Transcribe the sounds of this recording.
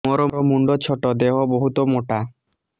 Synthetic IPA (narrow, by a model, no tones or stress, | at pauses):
ɔɾɔɾɔmuɳɖɔt͡ɕʰoʈɔd̪eɦɔboɦut̪ɔmoʈa